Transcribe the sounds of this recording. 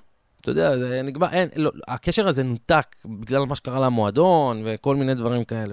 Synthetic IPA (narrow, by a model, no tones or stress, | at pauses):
t̪ojod̪eazeniɡmaʁʔenloake̞ʃeʁaze̞nut̪akbiɡlalmaʃekaʁalamoad̪o̞nve̞ko̞lmined̪vaʁimkae̞le